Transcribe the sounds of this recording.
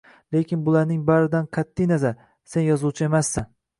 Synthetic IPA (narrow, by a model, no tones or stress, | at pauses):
le̞kʲɪnbʊlaɾnɪŋbaɾɪd̪anqʰat̪ʰːɪjnazaɾ | senjɒzuwt͡ʃʰɪe̞masːan